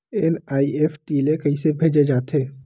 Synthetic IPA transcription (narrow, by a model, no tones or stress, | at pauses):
enaːiɛfʰʈiːlekɐisebʱeːd͡ʒed͡ʒaːt̪eː